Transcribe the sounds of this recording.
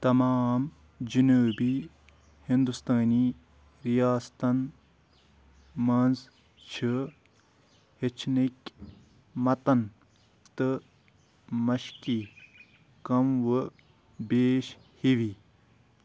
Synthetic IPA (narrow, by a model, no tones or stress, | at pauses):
t̪ɐmaːm | d͡ʒunuːbi | hind̪ust̪aːniː | ɾijaːst̪ɐn | mɐnz | t͡ʃʰi | het͡ʃʰnik | mɐt̪ɐn | t̪ɨ | mɐʃki | kɐmʋɨ | beːʃ | hiʋi